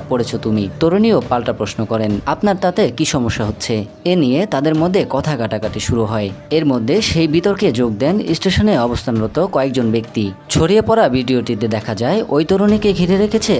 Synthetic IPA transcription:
poɽet͡ɕʰot̪umit̪oɾoniopalʈapɾosnokɔɾenapnaɾt̪at̪ekiʃɔmoʃːaɦot̪ːɕʰe | enijet̪ad̪eɾmod̪ʱːekɔt̪ʰaɡaʈakaʈiʃuɾuɦɔeeɾmod̪ʱːeʃejbit̪oɾked͡ʑoɡ̚d̪ɛnisʈeʃoneɔbost̪ʰanɾot̪okɔek̚d͡ʑonbek̚t̪it͡ɕʰoɽiepɔɾabʱiɖioʈit̪ed̪ɛkʰad͡ʑaeʔojt̪oɾonikeɡʱiɾeɾekʰet͡ɕʰe

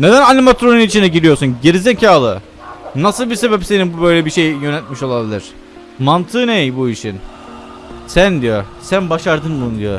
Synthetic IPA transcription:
ne̞d̪ænalʲimat̪ɾonunit͡ʃʰind̪ɛɟiɾijo̞ɾsunɟeɾizecʰaːlˠɯ | nasɯlˠbise̞bɛpse̞nibubø̞jlʲɛbiʃe̞jjø̞nɛt̪miʃo̞lˠabilʲiɾ̝̥ | mant̪ʰɯːnejbuiʃin | sænd̪ijosænbaʃaɾd̪ɯnbund̪ijo̰

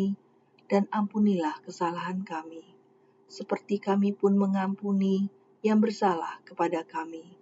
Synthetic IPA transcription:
d̥anampunilahkəsalaɦankami | səpərt̪ikamipʊnməŋampuni | jaŋbərsalahkəpadakami

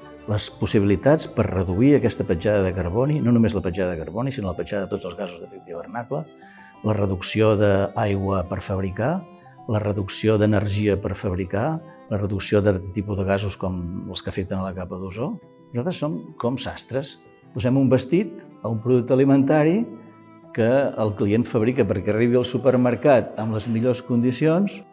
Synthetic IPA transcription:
ləspusiβilit̪at͡spəɾrəðuiəkɛst̪əpəd͡ʒaðəðəkəɾβɔninonumezləpəʒaðəðəkəɾβonisinoləpəʒaðəðət̪od͡zəlˠzɣazuzðəfɛkt̪iβərnaklə | lərəðuksioðəajɣwəpəɾfəβɾika | lərəðuksioðənəɾʒiəpəɾfəβɾikalərəðuksioðat̪ət̪ipuðəɣazuskɔməlˠskəfek̚t̪ənələkapəðuzo | nuzalt̪ɾəsːoŋkɔmsa̰st̪ɾəs | puzɛmumbəst̪it̪əumpɾuðuk̚t̪əlimənt̪aɾi | kəəlˠklienfəβɾikəpəɾkɛəriβiəlˠsupəɾməɾkat̪əmləzmiʎoskund̪isions

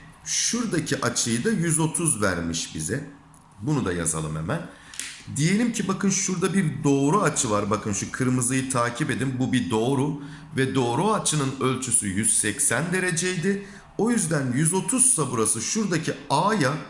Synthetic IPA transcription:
ʃuɾd̪acʰiʔat͡ʃʰɯjɯd̪ajyzo̞t̪ʰuzvæ̰ɾmiʃbḭzɛ | bunud̪a̰ja̰za̰lˠɯme̞̰mæn | d̪ije̞lʲimcʰibakɯnʃuɾd̪abiɾd̪o̞ːɾuat͡ʃʰɯvaɾbakɯnʃukʰɯɾmɯzɯjɯt̪ʰaːcʰibe̞d̪imbubid̪o̞ːɾu | vɛd̪o̞ːɾuat͡ʃʰɯnɯnø̞lʲt͡ʃʰysyjyz̥sɛcsænd̪e̞ɾe̞d͡ʒejd̪ɪ | o̞jyzd̪ænjyzo̞t̪ʰuz̥sabuɾasɯʃuɾd̪acʰiaːja

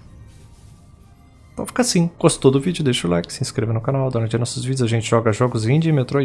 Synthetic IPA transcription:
pɾafi̥kasĩɡ̥ost̪t̪od̪ʊvid͡ʒʊd̪ejʃʊlajkɪ̥sɪĩskɾevɐnʊkanawd̪uɾɐ̃t͡ʃɪnɔsʊzvid͡ʒjʊzaʒẽnt͡ʃɪʒɔɡɐʒɔɡʊzĩd͡ʒiɪmet̪ɾo

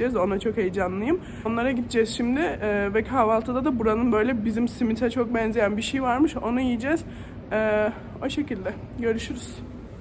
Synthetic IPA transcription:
ɛzo̞nat͡ʃʰo̞khejd͡ʒanlˠɯjɯm | onlˠaɾaɟit̪d͡ʒɛz̥ʃimd̪ɪɛːvɛkʰaːvalˠt̪ʰɯd̪ad̪abuɾanɯnbø̞jlʲɛbizimsimit̪ʰat͡ʃʰo̞k̚bɛnzejænbiʃejvaɾmɯʃo̞nujijid͡ʒɛz̥ | ɛː | o̞ʃe̞cilʲd̪ɛ | ɟø̞ɾyʃyɾyz̥

